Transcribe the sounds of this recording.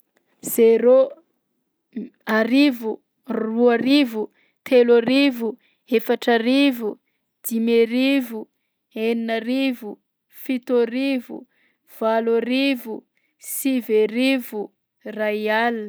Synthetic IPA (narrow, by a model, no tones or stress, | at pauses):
z̥eɾo | aɾivu | ruaɾivu | t̪ʰelaɾivu | efaʈ͡ʂarivu | d̪̥imeɾivu | eninaɾivu | fit̪oɾivṵ | v̥alaɾivu | siveɾivu | raial